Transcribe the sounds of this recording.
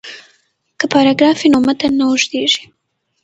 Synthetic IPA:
kəpɑɾɑɡɾɑfinomat̪anaʊʒd̪eʒi̥

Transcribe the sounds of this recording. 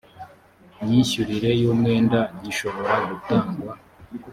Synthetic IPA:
ɲiːɕuɾiɾe̞juːmŋe̞ːndaɲiʃo̞βo̞ɾaɡutaːŋɡwa

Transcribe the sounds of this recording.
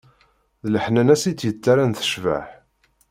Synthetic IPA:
ðləħnænæsit͡sːjət͡sːaɾænθə̥ʃva̰ħ

